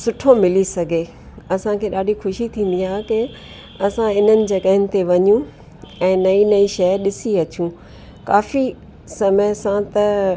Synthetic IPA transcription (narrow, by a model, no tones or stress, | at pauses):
sʊʈʰomɪlisɐɡʱeː | ɐsãkʰeːɗaːɖʱixʊʃit̪ʰĩːn̆d̪iaːɦɪkɪ | ɐsãɪn̤ənɪ̆d͡ʑɐɠəɦɪnɪ̆t̪eʋɐɲũ | ɛ̃ːnɐinɐiʃɐɗɪsiɐt͡ɕũ | kaːfi | sɐməsãt̪ɐ